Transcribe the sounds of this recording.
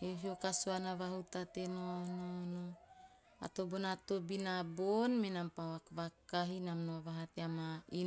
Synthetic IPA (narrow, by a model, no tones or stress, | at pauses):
eɦiokasoanaβaɦut̪at̪enonono | a̰t̪obonat̪obinabonmenampawakβakaɦinamnoaβaɦateamai